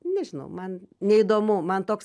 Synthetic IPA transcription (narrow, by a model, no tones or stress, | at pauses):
nʲɛʒʲɪnɐ̰ʊmɐnnʲɛid̪oːmʊmɐnt̪oːks